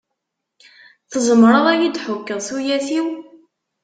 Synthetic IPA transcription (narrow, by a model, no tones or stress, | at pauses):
θəzˤəmɾˤəðˤæjid̪ħʊkːəðˤθujæθiw